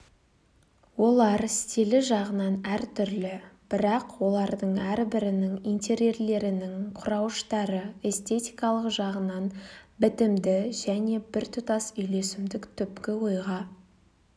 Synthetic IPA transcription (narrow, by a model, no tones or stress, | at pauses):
wo̞lˠɑɾst̪ʰilɪʒɑʁənɑnæɾt̪ʰʏɾlɪb̥ɪɾɑqwo̞lˠɑɾd̪əɴæɾbɪɾɪnɪŋint̪ʲʰe̞ɾje̞ɾle̞ɾɪnɪŋqʰʊɾɑwəʃt̪ɑɾəe̞st̪e̞t̪ʲijkɑlˠəqʒɑʁənɑnbɪt̪ɪmd̪ɪʒæne̞bɪɾt̪ʰʊt̪ɑsʏjle̞sɪmd̪ɪkt̪ʰʏpkʲɪwo̞jʁɑ